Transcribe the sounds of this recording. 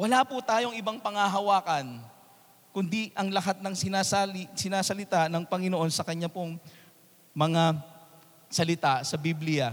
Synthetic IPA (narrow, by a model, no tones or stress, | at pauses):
wɐlapʊt̪aːjo̞ŋɪbaŋpɐŋɐɦɐwaːkɐn | kʊnd̪iʔɐŋlɐɦat̪̚nɐŋsɪnasasɪnaːsɐlɪt̪aʔnɐŋpɐŋɪnoʔo̞nsɐkɐɲapoŋ | mɐŋa | sɐlɪt̪asɐbiblɪjɐ